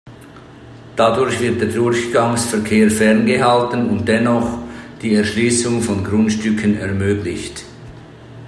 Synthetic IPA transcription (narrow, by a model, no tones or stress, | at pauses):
d̥adʊɾçv̥ɪɐt̚d̥eːɐdʊɾçɡ̥aŋsfɛɐkʰeːɐfɛʁnɡəɦaltənʊnt̚d̥ɛnɔχd̥iːɛɐʃliːsʊŋfɔnɡʁʊntʃtʏkʰənɛɐmøːɡlɪçt